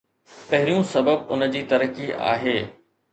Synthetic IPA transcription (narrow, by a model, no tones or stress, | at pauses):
pɐɦɪɾijũsɐbəbʊnəd͡ʑiːt̪ɐɾəkiʔa̰ːɦeː